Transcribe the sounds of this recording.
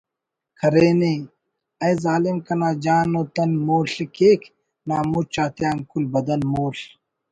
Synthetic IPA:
kʰɐɾeːneː | ɐjzaːlimkɐnaːd͡ʒaːnoːt̪ɐnmoːɬekeːkʰ | naːmut͡ʃaːt̪ejaːnkulbɐd̪ɐnmoːɬ

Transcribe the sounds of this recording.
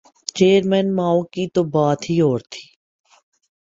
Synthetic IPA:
t͡ʃeːəɾmɛːnmaːokit̪obaːt̪ɦioːɾt̪ʰi̥ː

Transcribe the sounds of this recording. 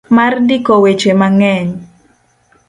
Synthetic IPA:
mardikowet͡ʃemaŋɛɲ

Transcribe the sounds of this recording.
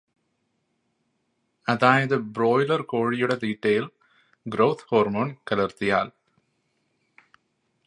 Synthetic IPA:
ɐðaːjɐðɨbɾoːjlɐɾkoːɻijuɽɐt̪iːʈːɐjɪl | ɡɾoːt̪ʰhoːɾmoːnkɐlɐɾt̪ija̰ːl

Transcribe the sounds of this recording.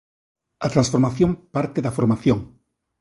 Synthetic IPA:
ɐt̪ɾãnsfoɾmaθjõmpaɾt̪eðafoɾmaθjoŋ

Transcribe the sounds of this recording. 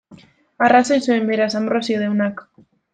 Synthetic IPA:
arasojsuembeɾasambrosioðewnak

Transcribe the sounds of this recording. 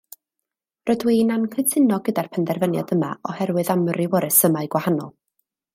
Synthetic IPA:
rɔdwiːnankʰɨtʰɪnɔɡədarpʰəndɛrvənja̰dəma̰ɔhɛɾwɨðamrɨwɔɾɨsəmaɨɡwahanɔ̰lˠ

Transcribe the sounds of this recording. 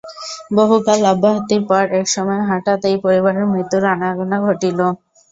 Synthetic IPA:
boɦukalabːaɦt̪iɾpaɾɛkʃɔmɔeɦaʈat̪ejpoɾiβaɾeɾmɾit̪uɾanaɾonaɡʱoʈilo

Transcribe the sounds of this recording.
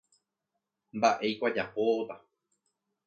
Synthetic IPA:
mbaʔe̞jkʷad͡ʒapot̪a

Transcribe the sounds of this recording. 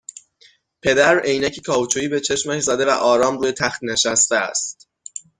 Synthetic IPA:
pʰe̞d̪æɾejnæcʰikʰɒːvut͡ʃʰuːiːbe̞t͡ʃʰe̞ʃmæʃzæd̪e̞væ̰ʔɒːɾɒːmruːje̞t̪ʰæxt̪neʃæst̪eæ̰st̪

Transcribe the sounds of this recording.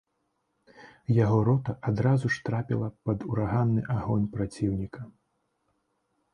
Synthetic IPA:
jaɣɔɾɔt̪ɐʔad̪ɾazuʂt̪ɾapʲḭlˠɐpɐd̪uɾaɣanːɨʔaɣɔnʲpɾat͡sʲiwnʲikɐ

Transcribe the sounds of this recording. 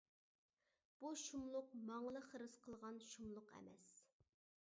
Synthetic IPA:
b̥uʃumlˠʊq̚mɑŋlˠəχəɾɨsqʰəlˠʁɑnʃumlˠʊqɛ̰mɛs

